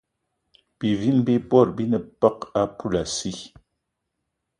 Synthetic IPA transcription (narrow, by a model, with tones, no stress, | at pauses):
pi˨vi˦nbi˦bɔ˦˨ɾbi˦nə˨pa˦ka˦pu˦˨la˨si˦